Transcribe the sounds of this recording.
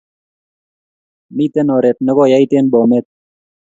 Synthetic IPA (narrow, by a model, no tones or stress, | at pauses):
mit̪enoɾet̪̚nəɣojajt̪enbomet̪̚